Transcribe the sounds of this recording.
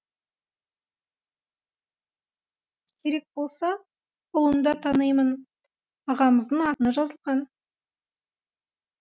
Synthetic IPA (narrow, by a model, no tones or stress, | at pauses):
kʲʰe̞ɾe̞k̚bo̞lˠsɑ | ʊlˠənd̪ɑt̪ʰɑnəjmən | ɑʁɑməzd̪əɴɑt̪ənəʒɑzəlˠʁɑn